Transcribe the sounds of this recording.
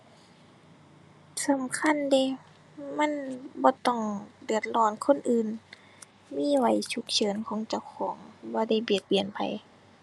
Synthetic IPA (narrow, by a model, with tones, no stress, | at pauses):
sa˨˦mkʰa˧˥˨nde˧˩ | ma˧˥˨nbɔː˧˦t̪ɔ˧˩ŋdɯ˨˩ət̪̚lɔː˧˩nkʰo˧˥˨nʔɯː˨˧˨n | miː˧˥˨wa˧˦jt͡ɕʰu˧˦k̚t͡ɕʰɤː˨˦nkʰɔː˨˦ŋt͡ɕa˧˩wxʰɔː˨˦ŋbɔː˧˦da˧˩˨jbi˨˩t̪̚bi˨˩ənpʰa̰˨˧˨j